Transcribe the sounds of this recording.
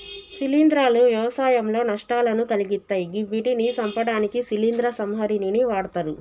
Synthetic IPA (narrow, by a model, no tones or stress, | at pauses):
silind̪ɾaːluʋjɐʋɐsaːjɐmlo̞ːnɐʂʈaːlɐnukɐliɡit̪ːaːjiɡiʋiʈinisɐmpɐɽaːnikisilind̪ɾɐsɐmɦɐɾininiʋaːɽɐt̪aɾu